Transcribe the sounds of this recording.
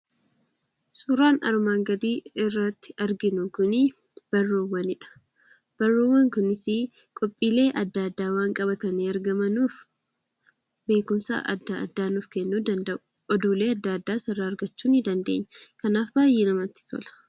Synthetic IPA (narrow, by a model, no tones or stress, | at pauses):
suːɾaːnɐ̰ɾmaːŋɡɐd̪iːɪrːɐt̪ːɪ̥ɐɾɡɪnʊkʊnɪ | b̥ɐrːoːwːɐnɪᶑɐ̥ | b̥ɐrːoːwɐŋkʊnɪsɪ | kʼɔpʼːiːle̞ːʔɐd̪ːɐd̪ːaːwaːŋkʼɐbɐt̪ɐniːɐɾɡɐmɐnuːf | be̞ːkʊmsa̰ʔɐ̰d̪ːa̰ɐ̰d̪ːaːnuːfkɛnːuːd̪ɐnd̪ɐʔʊ̥ | ɔd̪uːle̞ːɐd̪ːaːd̪ːaːsɐrːaːɾɡɐt͡ʃːuːnɪd̪ɐnd̪e̞̰ːɲːɐkɐnaːfbaːjːɛnɐmɐt̪ːɪ̥t̪ɔ̰lɐ̥